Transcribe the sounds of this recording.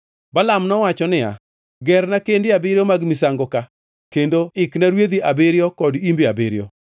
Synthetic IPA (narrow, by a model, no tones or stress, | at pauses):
balamnɔwat͡ʃɔnɪja̰ | ɡɛrnakendɪabeɾjomaɡmɪsaŋɡɔka | kendoɪknaɾwed̪iʔabeɾjɔkɔdimbiabeɾjɔ̰